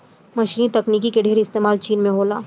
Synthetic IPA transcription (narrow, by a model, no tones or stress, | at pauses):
mɐʃiːnit̪ɐkniːk̬ikeɖʱeːɾɪst̪eːmaːlt͡ʃiːnmẽɦoːlaː